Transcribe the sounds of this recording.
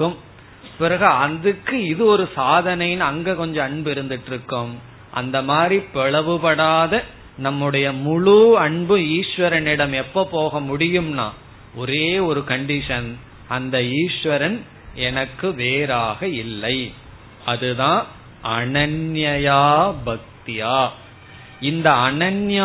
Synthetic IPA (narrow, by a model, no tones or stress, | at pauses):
kːɯm | pɪɾɐɣɐɐnd̪ɯkːɯɪðɯɔɾɯsaːðɐnɐjɪnɐŋɡeːkɔɲd͡ʒɔ̃ɐɳbɯɪɾɯnd̪ɪʈːɾɯkːɯm | ʔɐ̰nd̪ɐmaːd̪ɾipɛɭɐʋɯpɐɽaːðɐ | nɐmːɯɽɐjɐmʊɭuɐɳbɯiːʂʋɐɾɐnɪɽɐmɛpːopoːɣɐmʊɽɪjɯmna̰ː | ɔɾeːɔɾɯkɐɳɖɪʂɐn | ʔɐnd̪ɐiːʂʋɐɾɐn | ɛnɐkːɯʋeːɾaːɣɐɪlːɐɪ | ɐðɯðãː | ʔɐɳɐnjɐjaːbɐk̚t̪ɪjaː | ɪnd̪ɐɐnɐnja